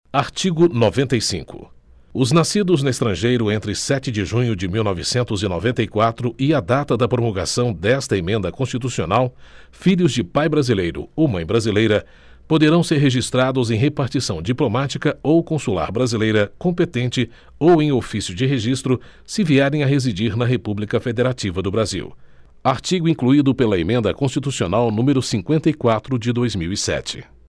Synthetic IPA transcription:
aɾt͡ʃiɡʊnovẽnt̪ɐjsḭ̃ŋkʊ̰ | ʊznasid̪ʊznʊest̪ɾɐ̃ʒejɾʊẽnt̪ɾɪsɛt͡ʃɪd͡ʒɪʒũɲʊd͡ʒɪmiwnɔvɪsẽnt̪ʊzɪnɔ̰vẽnt̪ɐikwat̪ɾʊɪad̪at̪ɐd̪ɐpɾomoɡa̰sɐ̃w̃d̪ɛst̪ɐemẽnd̪ɐkõst͡ʃit̪usio̰naw | fiʎʲʊzd͡ʒɪpajbɾazilejɾʊ̰owmɐ̃j̃bɾazilejɾɐ | pod̪eɾɐ̃w̃seɾɦeʒist̪ɾad̪ʊzẽj̃ɦepaɾt͡ʃisɐ̃w̃d͡ʒiplomat͡ʃikɐowkõsula̰ɾbɾazilejɾɐkõpet̪ẽnt͡ʃɪ | owẽj̃ofisjʊd͡ʒɪɦeʒist̪ɾʊ | sɪviɛɾẽj̃ɐɦezid͡ʒiɾnɐɦepublikɐfed̪eɾat͡ʃivɐd̪ʊbɾazḭw | aɾt͡ʃiɡʊĩŋkluid̪ʊpelɐemẽnd̪ɐkõst͡ʃit̪usionawnũmeɾʊsĩŋkwẽnt̪ɐikwat̪ɾʊd͡ʒɪd̪ojzmiwisɛ̰t͡ʃɪ̥̰

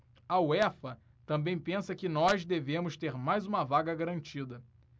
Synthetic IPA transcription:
ɐwɛfɐ | t̪ɐ̃mbẽj̃pẽsɐkɪnɔzd̪evẽmʊʃt̪eɾmajzũmɐvaɡɐɡaɾɐ̃nt͡ʃid̪ɐ

